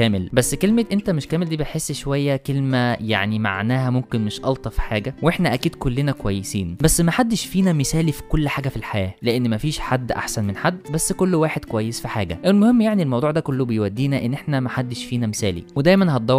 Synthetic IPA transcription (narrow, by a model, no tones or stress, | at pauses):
kæːmelbæsːkelmeʔent̪æmeʃkæːmeld̪iːbet̪ħesːʃowæjːækelmæja̰ʕnima̰ʕnæːhæmomkenmeʃʔɑlt̪ˤɑfi̥ħaːɡæweħnæʔækiːd̪kolːenækowæjːesiːnbæsːmæħad̪ːeʃfiːnæmesæːlifi̥kolːħaːɡæfilħajæːleʔenːmæfiːʃħad̪ːʔa̰ħsænmenħad̪ːbæsːkolːwaːħed̪kowæjːesfiħaːɡæ̰ʔælmohemːjaʕnielmɑwd̪ˤuːʕd̪ækolːobejwæd̪ːiːnæʔenːʔeħnæmæħad̪ːeʃfiːnæmesæːlḭwed̪æjmænhɑt̪̚d̪ˤɑw